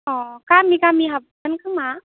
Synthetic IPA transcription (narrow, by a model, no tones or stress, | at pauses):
ɔkamikamiɦab̚ankʰɯŋma